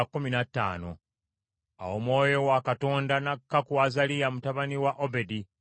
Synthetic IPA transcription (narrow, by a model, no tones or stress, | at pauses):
kːuminatːa̰ːno̞̰ | a̰wo̞mwo̞ːjo̞wakato̞ːndanakːakuazalijamutaβaniwaʔobe̞di